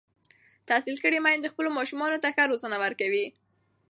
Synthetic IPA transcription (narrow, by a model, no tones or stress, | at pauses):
t̪asilkəɽimajnd̪əxpəlomɑʃumɑnot̪axaɾozənawəɾkawi